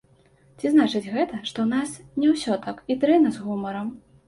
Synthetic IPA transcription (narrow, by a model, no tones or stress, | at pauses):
t͡sʲiznat͡ʂɨd͡zʲɣɛt̪ɐʂt̪ɔwnasnʲɛwsʲɔt̪akit̪ɾɛnɐzɣumɐɾɐm